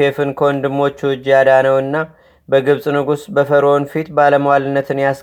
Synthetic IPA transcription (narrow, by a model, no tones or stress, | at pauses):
efɨnkʰond̪ɨmːo̞t͡ʃːɨd͡ʒːjad̪anəwɨnːa | bəɡɨβsʼnɨɡusbəfəɾo̞nfit̪baləməwalɨnːət̪ʰɨnjas